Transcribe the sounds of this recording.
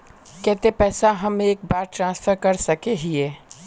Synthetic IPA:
kɛɦt̪epɛːsaɦɐmeːkbaːɾʈɾãːnsfʰəɾkɐɾsɐkeɦieː

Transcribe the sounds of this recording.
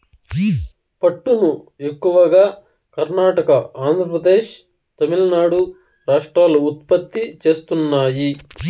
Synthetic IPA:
pɐʈːunu | e̞kːuʋɐɡaː | kɐɾnaːʈɐkɐaːnd̪ʱɾɐpɾɐd̪e̞ːʂ | t̪ɐmilɐnaːɽu | ɾaːʂʈɾaːlɐut̪̚pɐt̪ːit͡ʃe̞ːst̪unːaːji

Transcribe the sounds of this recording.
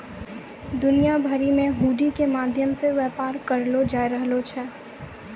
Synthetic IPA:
d̪ʊnijabʱəɾimẽɦuːɖikemaːd̪ʱjəmseʋɛːpaːɾkɐɾlod͡ʒaːiɾəɦlot͡ʃʰɛː

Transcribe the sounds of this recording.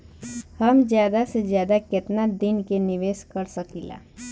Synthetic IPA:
hʌmd͡ʒjad̪ased͡ʒjad̪aket̪nad̪inkeniʋeskʌɾsʌkila̰

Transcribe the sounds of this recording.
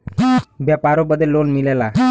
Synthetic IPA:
bjapaɾobəd̪ʱːelːonmilela

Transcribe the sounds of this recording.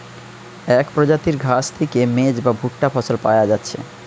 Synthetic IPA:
ɛkpɾod͡ʑat̪iɾɡʱast̪ʰekemed͡ʑbabʱuʈːafɔsolpa̰jad͡ʑatːɕʰḛ

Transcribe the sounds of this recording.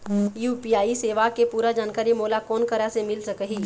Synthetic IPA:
juːpiːaːiseːʋakepuːɾad͡ʒaːnkaːɾimoːlakɔːnkɐɾasemɪlsəkəɦiː

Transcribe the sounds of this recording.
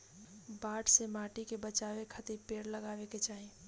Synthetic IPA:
baːʈsemaːʈikebət͡ʃaːʋekʰət̪ipeːɽləɡaːweket͡ʃaːi

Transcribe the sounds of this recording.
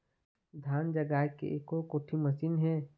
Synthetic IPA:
d̪ʱaːnd͡ʒəɡaːkḛʔeːkokoːʈʰimɐsiːnɦɛ̃ː

